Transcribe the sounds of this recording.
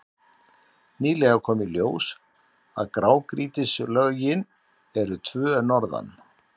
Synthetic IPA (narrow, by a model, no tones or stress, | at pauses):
niːlɛɣaɾkʰɔːmɪljoːws | a̰ðkɾaːwkɾiːt̪ɪslœɣjɪn | ɛɾʏt̪ʰvœːnɔɾða̰n